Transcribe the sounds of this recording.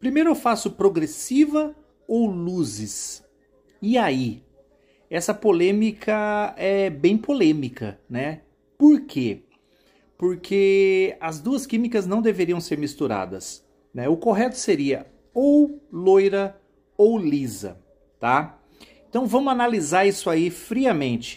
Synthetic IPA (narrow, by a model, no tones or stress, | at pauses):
pɾimejɾʊewfasʊpɾoɡɾesivɐ | owluzɪs | iai | ɛsɐpolẽmikʰɐɛbẽj̃polẽmikʰɐ̰nɛ | poɾkʰe | poɾkʰeɐzd̪uɐskĩmikɐznɐ̃w̃d̪eveɾiɐ̃w̃seɾmist̪uɾa̰d̪ɐ̰s | nɛʊkoɦɛt̪ʊ̥seɾiɐ | owlojɾɐ | owlizɐ̰ | t̪a | ẽnt̪ɐ̃w̃vɐ̃mʊanalizaɾisʊaifɾiɐmẽnt͡ʃɪ̥